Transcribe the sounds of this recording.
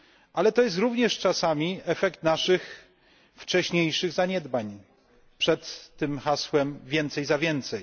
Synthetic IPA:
ʔalɛt̪ɔjɛs̬t̪ɾuvɲɛʂt͡ʂasamʲiɛfɛkt̪naʂɘx | ft͡ʂɛɕɲejʂɘɣzaɲɛd̪baɲ | pʂɛt̪ːɘmxaswɛmvʲjɛnt̪sɛjzavʲjɛnt̪sɛj

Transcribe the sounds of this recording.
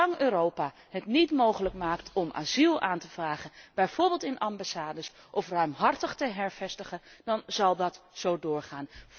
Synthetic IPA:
ɑŋøːɾowpaː | ɦətnitmowχələkmaːktʰɔmʔa̰ːzilˠaːntəv̥raːχənb̥ɛjv̥ʊːɹbɪːlˠtɪnʔɑmbasaːdəs | ʔɔfrœɥmɦɑrtəχtəɦɛɹv̥ɛstəχəndɑnzɑlˠdɑtz̥owdʊːɹχaːn

